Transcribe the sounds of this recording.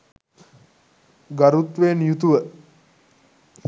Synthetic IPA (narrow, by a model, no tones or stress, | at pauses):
ɡaɾut̪ʋeːnjut̪uʋə